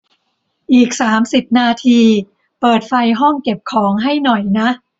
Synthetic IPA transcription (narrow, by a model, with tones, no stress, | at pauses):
ʔiː˨˩k̚saː˩˦msi˨˩p̚naː˧t̪ʰiː˧ | pɤː˨˩t̪̚fa˧jɦɔ˥˩ŋke˨˩p̚kʰɔː˩˦ŋɦa˥˩jnɔ˨˩jna˦˥ʔ